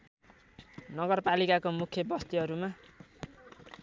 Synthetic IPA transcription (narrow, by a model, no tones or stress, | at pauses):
nʌɡʌrpalikakomukʰjʌbʌst̪iɦʌɾuma